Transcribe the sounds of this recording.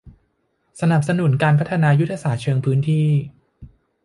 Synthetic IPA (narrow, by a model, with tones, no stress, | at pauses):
sa˧na˨˩p̚sa˧nu˨˩˦nkaː˧npʰa˦˥t̪ʰa˧naː˧ju˦˥t̪ʰːa˧saː˨˩t̪̚t͡ɕʰɤː˧ŋpʰɯː˦˥nt̪ʰiː˥˩